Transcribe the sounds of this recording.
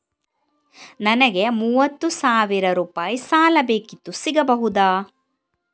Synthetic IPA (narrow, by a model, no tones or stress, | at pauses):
nɐnɐɡe̞muːʋɐt̪ːusaːʋiɾɐɾuːpaːjisaːlɐbeːkit̪ːusiɡɐbɐɦud̪aː